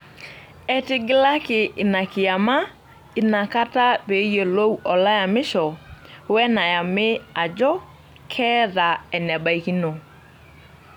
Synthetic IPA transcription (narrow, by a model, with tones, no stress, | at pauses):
ɛ˨tɪ˦ɡɪ˦la˦kɪ˨ʔːna˨kɪ˨a˨ma˦ | i˨na˨ka˦ta˦βe˨˦je˨lo˦u˦ʔɔ˨la˦ja˨mɪ˦ʃɔ˨wɛ˦na˨ja˨me˦a˨d͡ʒɔ˦ | kʰɛː˦ða˨ɛ˨nɛ˨ba˨i˨ki˦no˨